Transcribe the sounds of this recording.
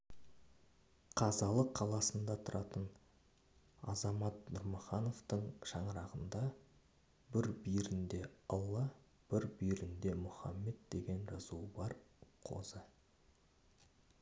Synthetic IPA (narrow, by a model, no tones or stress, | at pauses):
qʰɑzɑlˠəqʰːɑlˠɑsənd̪ɑt̪ʰʊɾʔɑt̪ən | ɑ̰zɑmɑt̪nʊɾmoχɑno̞ft̪əɴʃɑɴəɾɑʁənd̪ɑ | bɪɾbijɾɪnd̪e̞ɑlˠːɑ | b̥ɪɾbijɾɪnd̪e̞mʊχɑ̰mːe̞d̪̚d̪e̞ɡʲe̞nʒɑzubɑɾqʰo̞̰zə